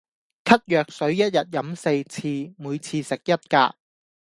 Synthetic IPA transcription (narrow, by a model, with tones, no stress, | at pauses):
kʰɐ˥t̚jœː˨k̚sɵ˨˥ɥjɐ˥t̚jɐ˨t̚jɐ˨˥mse˧jt͡sʰiː˧muː˨˧jt͡sʰiː˧sɪ˨k̚jɐ˥t̚kaː˧